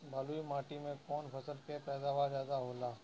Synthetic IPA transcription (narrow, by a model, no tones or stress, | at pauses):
bʱaluimaːʈimẽkoːnpəsəlkepɛːd̪aːʋaːɾzjaːd̪aɦoːlaː